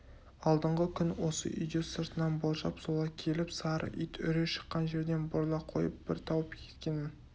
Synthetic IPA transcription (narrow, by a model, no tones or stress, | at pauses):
ɑlˠd̪əɴʁəkʲʰʏnwo̞sə̰ʔijd̪osəɾt̪ənɑnbolˠʒɑpsolˠɑkʲʰe̞lɪpsɑɾə̰ʔit̪ʏ̰ɾeʃə̥qːɑnʒe̞ɾd̪e̞nboɾlˠɑqʰo̞̰jəp̚b̥ɪɾt̪ʰɑwəpkʲʰe̞̥t̪kʲe̞nɪn